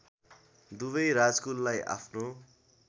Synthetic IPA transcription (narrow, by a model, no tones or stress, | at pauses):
d̪ubʌjɾad͡zkulːajʔa̰pʰno